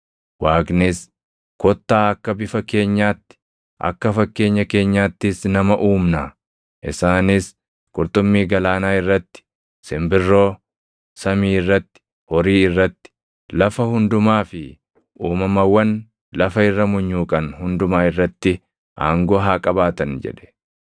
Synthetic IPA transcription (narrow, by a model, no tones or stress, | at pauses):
waːknɪs | kɔt̪ːaːɐkːɐbɪfɐke̞ːɲːaːt̪ːɪ̥ | ʔɐ̰kːɐfɐkːe̞ːɲːɐke̞ːɲːaːt̪ːɪsnɐmɐʔuːmnɐ | ʔɪ̰saːnɪs | kʼʊɾt̪ʊmːiːɡɐlaːnaːɪrːɐt̪ːɪ̥ | sɪmbɪrːo̞ː | sɐmiːɪrːɐt̪ːɪ̥ | hɔɾiːɪrːɐt̪ːɪ̥ | lɐfɐhʊnd̪ʊmaːfɪ | ʔuːmɐmɐwːɐn | lɐfɐɪrːɐmʊɲːuːkʼɐnhʊnd̪ʊmaːɪrːɐt̪ːɪ | ʔa̰ːŋɡɔːɦaːkʼɐbaːt̪ɐnd͡ʒɛ̰ᶑɛ̥